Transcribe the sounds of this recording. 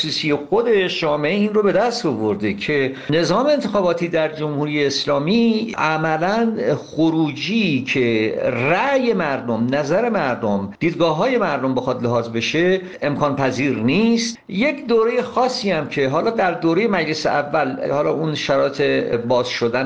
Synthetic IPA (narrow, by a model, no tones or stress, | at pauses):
suːsijexo̞d̪e̞ʃd͡ʒɒːme̞ʔeiːnrobe̞d̪æst̪ovoɾd̪ecʰe̞ne̞zɒːme̞eːnt̪ʰexɒːbɒːt̪ʰiːd̪æɾd͡ʒo̞mhuːɾijeːslɒːmiʔæmælænχoɾuːd͡ʒicʰe̞ræje̞mæɾd̪omnæzæɾe̞mæɾd̪omd̪̥iːd̪ɡɒːɦɒːje̞mæɾd̪ombe̞xɒd̪leɦɒːzbe̞ʃe̞ | e̞mkʰɒːnpʰæziːɾniːst̪je̞cʰd̪oːɾe̞je̞xɒːsːiːæmcʰe̞ɦɒːlɒːd̪æɾd̪oːɾe̞je̞mæd͡ʒle̞sḛʔævːælhɒːlɒːʔunʃæɾɒːet̪ʰe̞bɒːzʃo̞d̪æn